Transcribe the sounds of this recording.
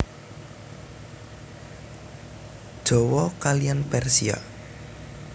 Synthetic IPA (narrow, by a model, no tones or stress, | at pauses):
d̥ʒ̥ɔ̤wɔkalijanpɛrsia̰